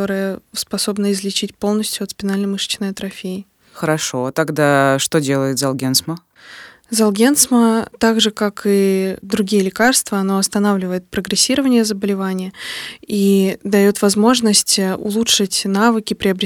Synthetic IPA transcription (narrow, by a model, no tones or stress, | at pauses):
o̞ɾɨjəspɐso̞bnəɪzlʲɪt͡ɕitʲpo̞lˠnəsʲtʲjʊɐt̪spʲɪnalʲnəmɨʂt͡ɕnəjt̪ɾɐfʲeɪ | xəɾɐʂot̪aɡd̪aʂt̪odʲelˠəjɪt̪zɐlˠɡʲensmə | zɐlˠɡʲent̪smət̪aɡʐɨkakid̪ɾʊɡʲijəlʲɪkarst̪vəɐno̞ɐst̪ɐnavlʲɪvəjɪt̪̚pɾəɡɾʲɪsʲːiɾəvənʲɪjəzəbəlʲɪvanʲɪjəid̪ɐjo̞t̪vɐzmo̞ʐnəsʲtʲəʊ̰lˠutʂɨtʲnavɨkʲɪpɾʲɪɐbɾʲɪ